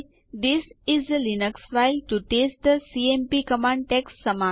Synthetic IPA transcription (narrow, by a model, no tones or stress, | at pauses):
d̪ɪsɪzəlɪnəksfaɪlʈuʈeːsʈ̚d̪əsiːẽmpikəmãːɳɖ̚ʈɛksːəmãː